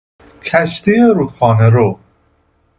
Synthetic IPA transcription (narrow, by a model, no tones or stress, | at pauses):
kʰæʃt̪ieɾuːt̪xɒːneɾo